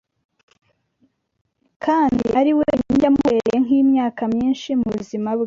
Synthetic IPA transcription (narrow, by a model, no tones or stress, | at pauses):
kʰaːndiʔaɾiweɲiɲɟamueɾejeŋ̥iːmɲaːkamɲiːnʃimuβuzimaβɡe